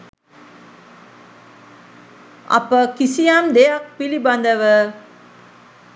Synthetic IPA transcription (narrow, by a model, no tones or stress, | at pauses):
a̰pəkisijamd̪ejak̚piliband̪əʋə